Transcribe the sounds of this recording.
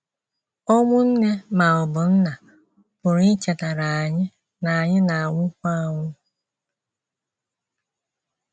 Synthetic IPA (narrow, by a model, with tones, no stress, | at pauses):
ɔ˦ŋʷʊ˦n̩˦ne˦ma˨ʊ˨bʊ˨n̩˦na˨ | pʊ˨ɾi˦t͡ʃe˨ta˨ɾa˨a˨ɲɪ˦ | na˨a˨ɲɪ˦na˨a˨ŋʷʊ˦kʷa˦a˨ŋʷʊ˦